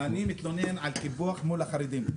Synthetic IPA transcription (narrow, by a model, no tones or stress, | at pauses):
animit̪lonenʕalkibuaχmulaχaɾid̪im